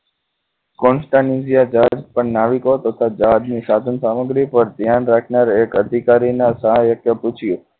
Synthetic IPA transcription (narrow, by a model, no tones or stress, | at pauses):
kɔnsʈanizijad͡ʒad̪pəɳnaʋikot̪ət̪ʰad͡ʒaɦd̪nisad̪ʱənsaməɡɾipəɾd̪ʱjanɾakʰnaɾekəd̪ʱikaɾinasajəkʰjəput͡ʃʰiju